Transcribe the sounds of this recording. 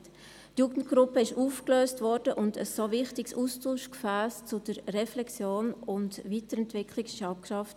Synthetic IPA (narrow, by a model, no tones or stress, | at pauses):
t | tjuːɡən̩t̚ɡ̥ɾʊpəɪʃuːfkløːstvɔɾd̥əʔʊndəsːovɪχtɪksuːstuːʃkfæːst͡sʊd̥əɾrɛflɛksjoːnʊndviːtəɾɛntvɪkʰlɪksʃɑʊp̚kʃɑft